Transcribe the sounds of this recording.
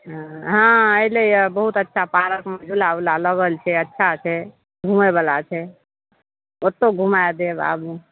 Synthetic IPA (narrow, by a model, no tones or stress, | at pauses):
ɦɦãəilejbəɦut̪ətːʃʰapaɾəkmed͡ʒʱulaulaləɡəlt͡ʃʰɛətːʃʰat͡ʃʰɛ | ɡʱumebalat͡ʃʰɛ | ot̪ːoɡʱumajd̪eba̰be